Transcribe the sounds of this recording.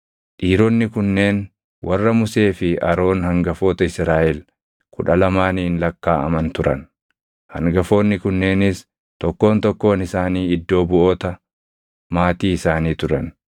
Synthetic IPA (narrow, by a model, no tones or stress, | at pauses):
ᶑiːɾonːɪkʊnːe̞ːn | wʔɐrːɐmʊse̞ːfɪɐɾo̞ːnhɐŋɡɐfo̞ːt̪ɐɪsɾaːʔɛl | kʰʊᶑɐlɐmaːniːnlɐkːaːɐ̰mɐnt̪ʊɾɐn | hɐŋɡɐfo̞ːnːɪkʊnːe̞ːnɪs | t̪ɔkːo̞ːnt̪ɔkːo̞ːnɪsaːniːɪd̪ːo̞ːbʊʔo̞ːt̪ɐ | maːt̪iːɪsaːniːt̪ʊɾɐn